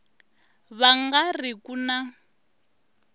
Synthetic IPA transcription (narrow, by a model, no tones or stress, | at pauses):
βaŋɡarikuna